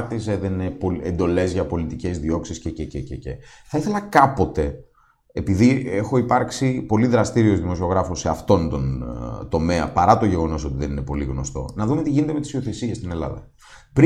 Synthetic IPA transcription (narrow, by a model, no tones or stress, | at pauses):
t̪iseðeninepoḛnd̪o̞le̞zʝɐpo̞lit̪ice̞zðio̞ksiscecececece | θɐiθe̞lɐkɐpo̞t̪e̞ː | piðiexo̞ipɐɾksipo̞liðɾɐst̪iɾio̞zðimo̞sio̞ɣɾɐfoseɐft̪o̞nt̪o̞nt̪o̞me̞ɐ̰pɐɾɐt̪o̞ʝe̞ɣo̞no̞so̞t̪iðe̞nine̞po̞liɣno̞st̪o̞̰nɐðumet̪iʝine̞t̪eme̞t̪i̥sio̞θe̞sie̞st̪ine̞lɐ̰ðɐ̰ | pɾ